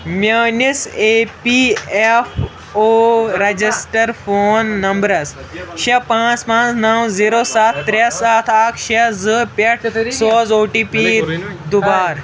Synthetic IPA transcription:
mʲəːniseːpief | oːɾɐd͡ʑisʈɐɾfʰoːnːɐmbɾɐs | ʃepãːt͡spãːt͡snɐwziːɾoːsaːt̪ʰːɾesaːt̪ʰaːkʰʃezɨpɐʈʰsoːzoːʈiːpiːd̪ubaːɾ

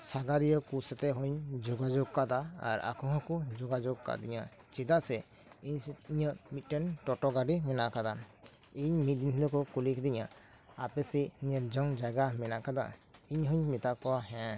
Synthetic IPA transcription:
saɡaɾijəkusɛt̪ɛɦɔɲd͡ʒoɡad͡ʒoɡ̚kad̪aa̰ɾa̰kʰɔɦɔ̃kud͡ʒoɡad͡ʒoɡ̚ka̰d̪iɲa | t͡ʃid̪aʔsɛ | iɲiɲəmit̪ʈenʈɔʈɔɡaɖimɛnakad̪aiɲmit̪̚d̪int̪d̪ɔkɔkulikʰd̪iɲa | apɛsiniɾd͡ʒɔŋd͡ʒaɡamɛnakad̪a̰iɲɦɔɲmit̪akɔwaɦɛ̃

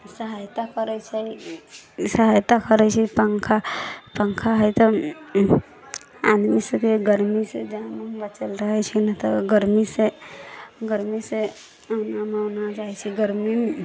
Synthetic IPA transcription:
səɦajt̪akəɾɛt͡ʃʰɛ | səɦajt̪akəɾɛt͡ʃʰɛpəŋkʰapə̃ŋkʰaɦəjt̪ɔ | a̰d̪misəbkeɡəɾmised͡ʒəãməbət͡ʃəlɾəɦɛt͡ʃʰɛnat̪ɔɡəɾmise | ɡəɾmise | namenad͡ʒaɦɛt͡ʃʰɛɡəɾmim

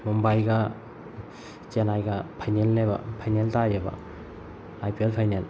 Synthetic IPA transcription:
mumbajɡɐ | t͡ʃenajɡɐpʰajnelːebɐ̰pʰajneltajabɐ̰ | ajpielpʰajnel

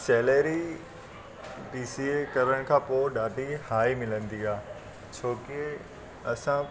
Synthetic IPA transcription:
sɛːleːɾi | biːsiekɐɾəɽ̃kʰãːpoːɗaːɖʱihaːimɪlə̃nd̪iaː | t͡ɕʰoːke | ɐsã

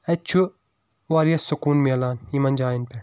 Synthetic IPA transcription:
ɐt͡ʃʰu | ʋaːɾijɐsːukuːnmelaːnimɐnʲd͡ʒaːjinpɛ

